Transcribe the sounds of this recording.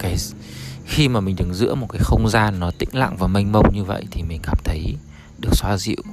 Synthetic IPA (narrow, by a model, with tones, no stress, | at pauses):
kaː˨˦j | xi˧maː˨˩mï˨˩ŋ̟ɗɨ˨˩ŋzɨ̰˧˥əmo˨˩t̚kaː˨˦jxə˧wŋ͡mzaː˧nːɔ˨˦t̪ḭ̈˧˥ŋ̟la̰ː˧˨ŋvaː˨˩ma˧jŋ̟mə˧wɲɨ˧və̰˧˨jt̪ʰi˨˩mï˨˩ŋ̟kaː˨˩mt̪ʰə˨˦j | ɗɨ˨˩ək̚swaː˨˦zḭ˧˨w